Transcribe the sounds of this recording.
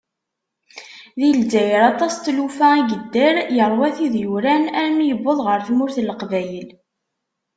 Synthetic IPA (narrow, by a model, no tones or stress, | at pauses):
ðilzæjɾɑt̪ˤɑst̪ːlufæiʝəd̪ːəɾjəɾˤwæθiðjuɾænæɾnjəbːəðˤʁəɾθmʊɾθləqvæjəl